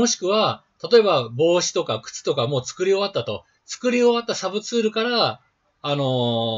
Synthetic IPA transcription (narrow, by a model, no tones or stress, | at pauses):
o̞ɕi̥kɯ̟βat̪at̪o̞e̞babo̞ːɕi̥t̪o̞kakɯ̟̥t͡sɨ̥t̪o̞kamo̞ːt͡sɨ̥kɯ̟ɾʲio̞βat̪ːat̪o̞̰ | t͡sɨ̥kɯ̟ɾʲio̞βat̪ːasabɯ̟t͡sɨːɾɯ̟kaɾaː | no̞